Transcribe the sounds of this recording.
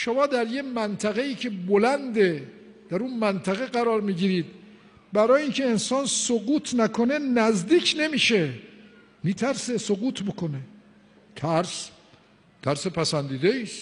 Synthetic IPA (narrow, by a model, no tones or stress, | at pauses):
ʃomɒːd̪æɾjemænt̪ʰæɣe̞iːcʰe̞bolænd̪e | d̪̥æɾunmænt̪ʰæɣe̞ɡæɾɒːɾmiːɟiɾiːd̪ | bæɾɒːjiːnkcʰe̞ːnsɒːnsoɡuːt̪ʰnækʰo̞ne̞næzd̪iːkʰne̞miːʃe | miːt̪ʰæɾsesoɡuːt̪ʰbokone | t̪ʰæɾs | t̪ʰæɾsepʰæsænd̪iːd̪eiːs